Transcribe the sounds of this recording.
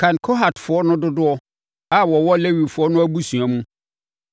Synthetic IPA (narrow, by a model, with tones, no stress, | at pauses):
kʰã˨nkʰo˦ɦa˨tfʊ˨ɔ˦nʊ̃˦dʊ˦dʊ˦ɔ˦ | a˦wɔ˨wɔ˦le˦wi˨fʊ˨˦ɔ˦nʊ̃˦æ˦bu˦sũ˨a˨mũ˦